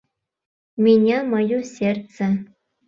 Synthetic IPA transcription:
mʲinʲemɤ̆jusʲert̪t͡sɘ̆

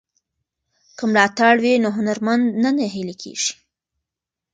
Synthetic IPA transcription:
kəmlɑt̪aɽwinoɦʊnaɾmand̪nanaɦilekʰḛʒ̥i̥

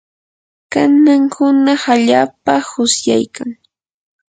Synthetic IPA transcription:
kanaŋhʊnɑχaʎaːpahʊsja̰jkaŋ

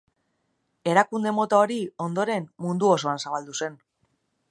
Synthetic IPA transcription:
e̞ɾakund̪e̞mo̞t̪ao̞ɾio̞nd̪o̞ɾe̞mmund̪uo̞so̞ansaβald̪use̞n

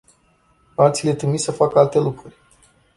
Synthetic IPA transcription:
at̪sile̞t̪ɾimisəfakəalt̪e̞lukɾurʲ

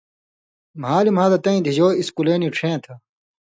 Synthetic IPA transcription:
maːlimaːd̪ɐt̪ɐ̃ĩd̪ʱid͡ʑoːiskuleːniʈ͡ʂʰẽːt̪ʰɐ

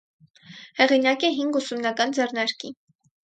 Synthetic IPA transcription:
hɛʁinɑkɛɦiŋɡusumnɑkɑnd͡zɛrnɑɾki

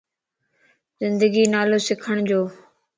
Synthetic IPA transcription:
zɪ̃nd̪əɡiːnaːloːsɪkʰəɽ̃d͡ʑoː

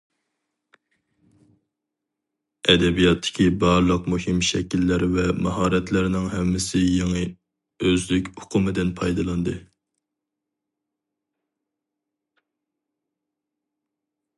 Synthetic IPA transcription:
ɛd̪ɛbijɑt̪ʰːɪ̥kʲʰibɑɾlˠəqmuhɪmʃɛkʲilːɪɾvɛmɑɦɑːɾɛt̪ʰlɪɾɪnɪŋɦɛmːɪsɪjeŋɨ | øzlykʲʊqʰʊmɨd̪ɪnpʰɑjd̪ɨlˠɑnd̪ɨ

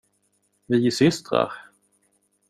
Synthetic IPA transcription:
vɪɪsʏst̪ɾa̰ɾ

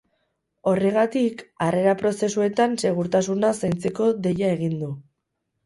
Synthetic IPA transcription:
o̞re̞ɣat̪ikare̞ɾapɾo̞se̞sue̞t̪anse̞ɣ̞uɾt̪asunasajnt͡seko̞ðe̞jae̞ɣ̞ind̪u

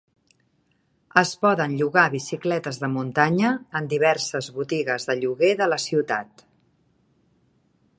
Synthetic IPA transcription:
əspɔðənʎuɣaβisiklɛt̪əzðəmunt̪aɲəːnd̪iβ̞ɛrsəzβut̪iɣəzðəʎuɣeðələsiwt̪a̰t̪

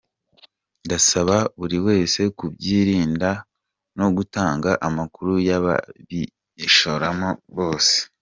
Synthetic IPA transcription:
ndasaβaβuɾiwe̞ːse̞kubɟiːɾiːnda | no̞ɡutaːŋɡaʔamakuɾujaβa̰βiː | ʃoɾamoβo̞ːse̥

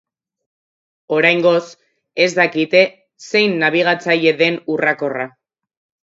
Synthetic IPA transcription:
o̞ɾajŋɡo̞s | ezd̪akit̪e̞ | se̞jnːaβ̞iɣ̞at͡saje̞ðe̞nurako̞ra

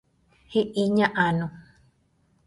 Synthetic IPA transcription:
hiʔiɲãʔanũ

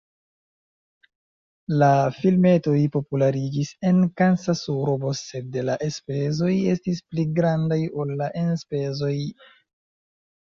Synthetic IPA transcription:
lafilme̞to̞jpo̞pulaɾid͡ʒise̞nkansasuɾobose̞delaʔespezo̞je̞stispliɡɾandajo̞lːaʔenspe̞zo̞j

